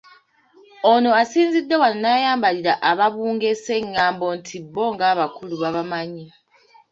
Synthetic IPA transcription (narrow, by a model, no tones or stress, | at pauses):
ono̞asiːnzidːewanonajaːmbaliɾaʔaβaβuːŋɡe̞se̞ŋːaːmbo̞ntʰibːo̞ŋɡaːβakuluβaβamaɲi